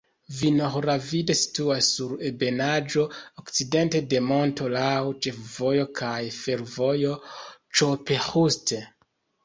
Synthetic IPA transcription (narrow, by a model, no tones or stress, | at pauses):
vinoxɾavide̞si̥tuasːuɾebe̞nad͡ʒo̞okt͡side̞nte̞de̞mo̞nto̞lawt͡ʃe̞fvo̞jo̞kʰajfe̞ɾvo̞jo̞t͡ʃope̞huste